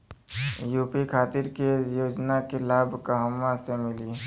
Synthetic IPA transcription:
juːpikʰaːt̪ɪɾkejoːd͡ʒnakelaːbʱkəɦəmːasemɪliː

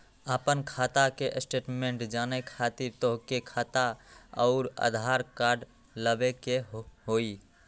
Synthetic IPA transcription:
apənkʰaːt̪akeʔsʈeːʈmẽɳʈd͡ʒaːnekʰat̪ɪɾt̪oɦkekʰaːt̪aɔʊɾa̰d̪ʱaːɾkaːɾɖ | ləbekeɦoːi

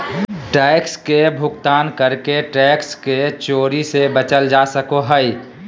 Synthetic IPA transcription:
ʈɛːkskebʱʊkt̪aːnkəɾkeʈɛːksket͡ʃoːɾisebət͡ʃəld͡ʒasəkoɦəi

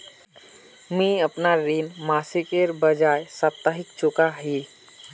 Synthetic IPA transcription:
mĩəpnaɾinmaːsikeɾbəd͡ʒaːjsap̚t̪aɦɪkt͡ʃʊkaɦi

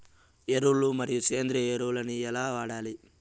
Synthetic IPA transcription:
eɾuɭumɐɾijut͡ʃeːnd̪ɾieɾuɭɐniɛlaːʋaːɽaːli

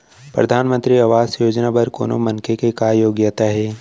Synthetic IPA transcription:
pɾɐ̰d̪ʱaːnmə̃nt̪ɾiɐʋaːsjoːd͡ʒnabɐɾko̰ːno̰mɐnkʰekekaːjoːɡjət̪aɦɛː

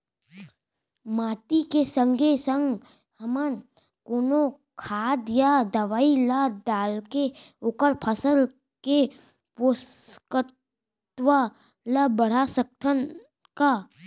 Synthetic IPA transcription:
maːʈikesə̃ŋɡʱesə̃ŋɡ | həmən | koːno | kʰaːd̪jad̪əʋaːilaɖaːlkeoːkəɾpʰəsəl | ke | poskə | t̪wa | labəɽ̤asək̚t̪ʰən | ka

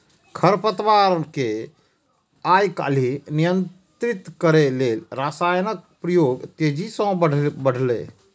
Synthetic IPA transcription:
kʰəɾpət̪ʋaɾənke | ajka̰ːlinijənt̪ɾit̪kəɾelelɾasajnək̚pɾəjoːɡt̪ed͡ʒisə̃bəɖ̤ʱlḛ

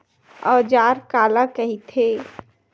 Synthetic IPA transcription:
ɔːd͡ʒaːɾkaːlakəɦit̪ʰe

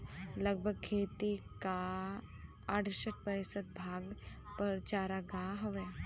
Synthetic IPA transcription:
ləɡ̚bʱəɡ̚kʰeːt̪ika | əɽ̤səʈ̚pəɪsəd̪̚bʱaːɡ | pəɾt͡ʃaːɾaɡaɦoʋeː

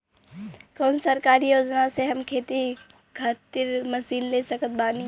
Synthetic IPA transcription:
konsəɾkaɾijod͡ʒnasẽɦəmkʰet̪i | kʰət̪iɾməsillesəkət̪̚bani

